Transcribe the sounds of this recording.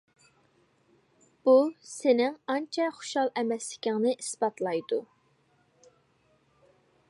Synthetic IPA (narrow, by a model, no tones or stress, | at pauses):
b̥usɪnɪŋɑnt͡ʃʰɛχʊ̥ʃhɑlˠʔɛmɛslɪkʲʰɪŋnɪʔisbɑt̪lˠɑjd̪u